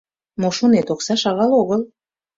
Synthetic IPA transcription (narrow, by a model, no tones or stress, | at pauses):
moʃonet̪oksɑʃɑɣɑloɣəl